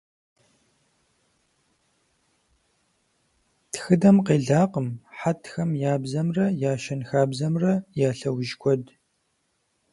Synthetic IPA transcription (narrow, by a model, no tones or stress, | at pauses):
txɨdɐmqeːɮaːqəmħatʰxɐmjaːbzɐmrɐjaːʃɐnxaːbzɐmrɐjaːɬɐwʒkʷʰɔd